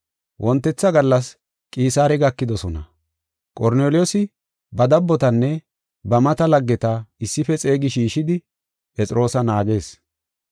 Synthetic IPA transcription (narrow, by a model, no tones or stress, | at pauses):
wʔɔnt̪ːɛt͡sːɐɡɐlːɐs | kʼiːsaːɾɛɡɐkːɪd̪ɔsɔnɐ̰ | kʼɔɾneːlɪjɔsɪ | bɐd̪ɐbːɔt̪ɐnːɛ | bɐmɐt̪ɐlɐɡːɛt̪ɐɪsːɪfɛt͡sʼe̞ːɡɪʃiːʃɪd̪ɪ | pɛt͡sʼɪɾo̞ːsɐnaːɡe̞ːs